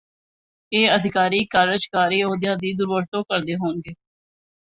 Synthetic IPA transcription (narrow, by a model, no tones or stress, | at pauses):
eːəd̪ʱɪkaːɾiːkaːɾəd͡ʒkaːɾiːoːd̪jãːd̪iːd̪ʊɾʋəɾt̪õːkəɾd̪eːɦoːnɡeː